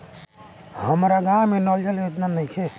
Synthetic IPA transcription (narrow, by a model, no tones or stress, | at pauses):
həmɾaɡaːmenɔld͡ʒəlɪt̪nanɐĩkʰe